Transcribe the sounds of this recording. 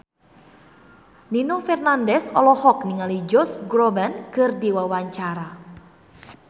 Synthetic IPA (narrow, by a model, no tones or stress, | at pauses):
ninofɛrnandɛsɔlɔhɔk̚niŋalid͡ʒɔsɡɾobankɨrdiwawaɲt͡ʃaɾa